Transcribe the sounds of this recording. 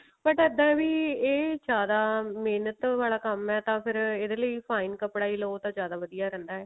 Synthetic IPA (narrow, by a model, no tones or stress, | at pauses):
bəʈəd̪ːãːɛʋiːeːd͡ʒjaːd̪aːmeːnət̪ʋaːɭaːkəmɛːt̪ãːpʰɪɾeːd̪eːləiːpʰaːiːnkəpɽaːiːloːt̪ãːd͡ʒjaːd̪aːʋəd̪ijaːɾɛ̃ːnd̪aːɛː